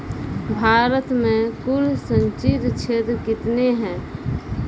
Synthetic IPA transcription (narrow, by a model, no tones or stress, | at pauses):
bʱaːɾət̪mẽkuɾsəɲt͡ʃid̪t͡ʃʰeːt̪ɾkɪt̪neɦɛ̃ː